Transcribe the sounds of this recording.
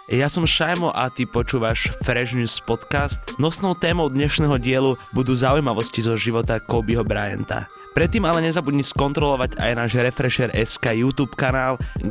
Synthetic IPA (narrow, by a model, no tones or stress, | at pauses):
jasɔmʃajmɔʔat̪ipɔt͡ʃuːʋaʃfɾɛʒnuːspɔt̪kast̪nɔsnɔʊt̪ɛːmɔʊd̪ɲɛʃnɛːɦɔɟɪɛlubud̪uːzaujmaʋɔscizɔʒiʋɔt̪akɔʊbiɦɔbɾajɛ̰nt̪a̰ | pɾɛt̪ːiːmalɛɲɛzabudɲiskɔnt̪ɾɔlɔʋaɟa̰jnaːʒɾɛfɾɛʃɛɾʔɛskaːjuːt̪uːpkanaːl